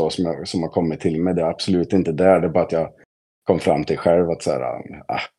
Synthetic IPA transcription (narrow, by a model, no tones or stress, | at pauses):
ɔsɔmjɑsɔmhaɾkʰɔmːɪt̪ʰːɪlmɛjd̪ɛɾab̥sɔlʉ̟ːt̪ɪnt̪əd̪æɖɛbɑːɾat̪jɑːɡ | kʰɔmːfɾa̰mːt̪ʰɪlɧɛlvat̪sæ̰ːɾa̰a̰